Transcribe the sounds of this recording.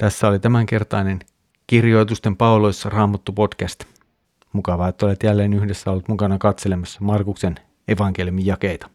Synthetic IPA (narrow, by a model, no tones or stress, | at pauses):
t̪æsːæo̞lit̪æmæŋk̟e̞rt̪ɑjne̞n | k̟irjo̞jt̪ust̪e̞mpɑolo̞jsːɑrɑːmɑt̪ːupo̞dkæst̪ | mukɑʋɑːet̪ːolet̪jælːeːnyhdesːæolːt̪mukɑnɑkɑt̪se̞lemɑsːɑmɑrkukse̞n | e̞ʋɑŋk̟e̞ljumijɑke̞jt̪ɑ̥